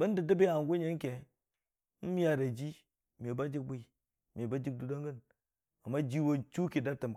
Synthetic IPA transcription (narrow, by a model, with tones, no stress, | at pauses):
ba˦n˦də˨da˦be˦a˨ŋ˨ɡu˦ɲe˦ŋ˦kʲe˨ | n̩˦m˦a˦ɾa˨d͡ʒi˦ | mʲ˨e˨ba˦d͡ʒi˦k̚bʷi˦˨ | mʲ˨e˨ba˦d͡ʒi˦k̚du˨da˦ŋɡə˦n | a˨mːa˦d͡ʒi˦wo˦n˦t͡ʃu˦ki˨da˦tə˨m